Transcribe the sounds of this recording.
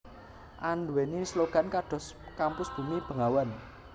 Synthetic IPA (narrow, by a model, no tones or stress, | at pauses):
ʔanwɛnisloɡ̥a̤nkaɖ̥ɔ̤skampʊsb̥ṳmib̥ə̤ŋawan